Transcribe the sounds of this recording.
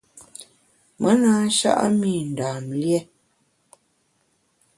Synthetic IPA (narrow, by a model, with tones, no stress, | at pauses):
mʔə˦naː˨˦n̩˦ʃa̰˦ʔa̰˦mi˦˨n̩˨daː˨mljɛ˦